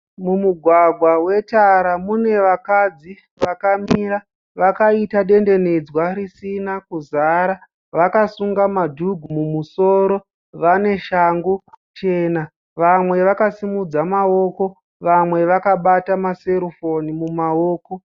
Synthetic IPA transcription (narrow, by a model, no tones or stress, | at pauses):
mumuɡʱwaɡʱwawe̞taɾamune̞ʋakad͡zi | ʋakamiɾa | ʋakaitaɗe̞nde̞ne̞d͡zwaɾisinakuzaɾa | ʋakasuŋɡamadʱuɡʱumumuso̞ːɾo̞ | ʋane̞ʃaŋɡut͡ʃe̞ːna | ʋamwe̞ʋakasimud͡zamao̞ko̞ | ʋamwe̞ʋakaɓatamase̞ɾofo̞nimumaoːko̞